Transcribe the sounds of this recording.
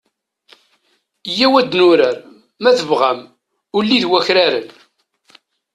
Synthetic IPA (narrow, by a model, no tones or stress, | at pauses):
jːæwæd̪nʊɾəɾ | mæθəvʁæm | ʊlːiðwæçɾaɾə̰n